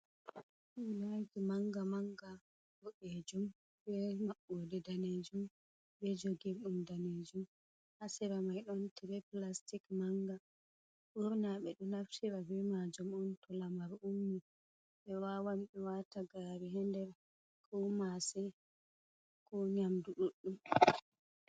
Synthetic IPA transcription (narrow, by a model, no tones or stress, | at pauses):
ulaɡimaŋɡamaŋɡa | dɔʔed͡ʒum | bɛmaɓːodɛdaned͡ʒum | bɛd͡ʒoɡiɾɗumdaned͡ʒum | hasɛɾamajɗɔntɛɾɛplastikmaŋɡa | ɓuɾnaɓɛɗɔnaftiɾabɛmad͡ʒumɔntɔlamaɾumːi | ɓɛwawamɓɛwataɡaɾiɦɛndɛɾ | kʰɔmasɛ | kɔɲamduɗuɗːum